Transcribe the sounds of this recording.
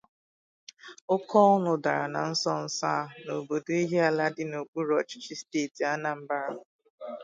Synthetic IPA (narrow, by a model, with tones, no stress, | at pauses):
ʊ˦kʰɔ˦nʊ˨da˨ɾa˨na˨n̩˦sɔ˦n̩˦saː˦˨no˨bo˨do˦i˦ɦe˦a˨la˦dɪ˦no˨k͡pu˦ɾɔ˦t͡ʃɪ̥˦t͡ʃi˦steː˦˨ti˨a˦na˨m̩˦ba˦ɾa˨